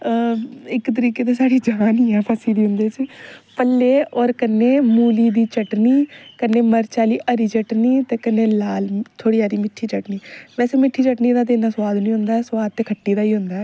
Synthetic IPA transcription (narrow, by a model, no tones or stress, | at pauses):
ɪkt̪̬əɾiːkeːt̪eːsaːɽiːd͡ʒaːniːɛːpʰəsiːd̪iːɦʊnd̪eːt͡ʃpəlːeːɔːɾkənːeːmuːliːd̪iːt͡ʃəʈniːkənːeːməɾt͡ʃaːliːʔəɾiːt͡ʃəʈniːt̪eːkənːeːlaːlt̪ʰoːɽiːaːɾiːmɪʈʰːiːt͡ʃəʈniːʋɛːseːmɪʈʰːiːt͡ʃəʈniːd̪aːt̪̬eːɪnd̪aːswaːd̪nĩːɦʊ̃nd̪aːɛːswaːd̪̚t̪eːkʰəʈːiːd̪aːiːɦʊnd̪aːɛː